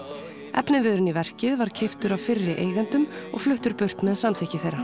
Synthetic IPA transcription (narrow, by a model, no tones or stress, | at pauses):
ɛ̰pnɪvɪðɾʏnivɛr̥cɪðvaɾ̥cʰeft̪ʏɾawfɪrːɪʔḛːjɣant̪ʏmɔ̰ɣflʏht̪ʏɾpʏr̥t̪mɛðsamt̪ʰɛhcɪθejrːa